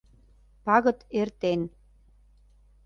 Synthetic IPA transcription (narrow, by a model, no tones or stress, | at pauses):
pɑɣɤ̆t̪ert̪en